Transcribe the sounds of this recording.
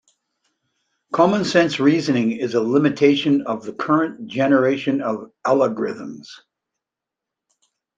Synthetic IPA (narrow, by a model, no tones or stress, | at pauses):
kʰɑmə̃nsɛ̃nsɹizɨ̃nɪ̃ŋɪzəlɪ̃mɨtʰeɪʃɨ̃nʌvðɨkʰɜ˞ɨ̃nd̥ʒ̥ɛnə˞eɪʃɨ̃nʌvælˠəɡɹɪ̰ðə̃mz̥